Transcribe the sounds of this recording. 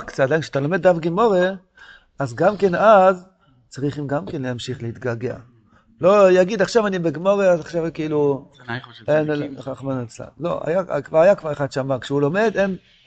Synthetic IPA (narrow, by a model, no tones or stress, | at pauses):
kt͡sat̪d̪ajnkʃeat̪alo̞med̪ːafɡimo̞ʁe | azɡamke̞naz | t͡saʁiχimɡamkenleamʃiχlehit̪ɡaɡea̰ | lo̞jaɡid̪aχʃavanibeɡimo̞ʁeazaχʃavkeilu | enχaχmanet͡sla̰mlo̞a̰ja̰kvaʁajakvaʁeχad̥̪ʃamakʃeulo̞me̞d̪em